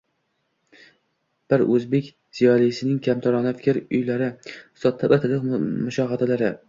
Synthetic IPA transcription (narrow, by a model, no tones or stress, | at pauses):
b̥ɪɾɵzbe̞kʲ | z̥ijɒlˠijsɪnɪŋkʲʰamt̪ʰɒɾɒnafɪ̥kʲɪɾʊjlaɾɪsɒt̪ʰːapat̪ʰɪlɪqmʊʃɒɦɑt̪ʰalaɾɪ